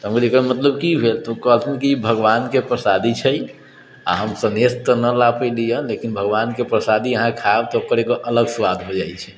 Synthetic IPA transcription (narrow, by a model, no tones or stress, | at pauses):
t̪əmkdekəmət̪ləbkibʱelt̪ɔkəɦəlt̪ʰmekibʱəɡʋankepɾəsad̪it͡ʃʰɛj | a̰ɦəmsənest̪ənəlapəlijəlekinbʱəɡʋankepɾəsad̪iəɦãkʰaebt̪ɔokəɾekoʔələɡswad̪ɦod͡ʒajt͡ʃʰɛ̥